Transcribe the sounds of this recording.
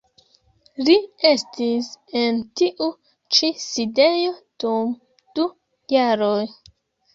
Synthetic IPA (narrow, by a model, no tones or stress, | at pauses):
lie̞stisentiʔu | t͡ʃiside̞jo̞d̥um | d̥u | jaɾoj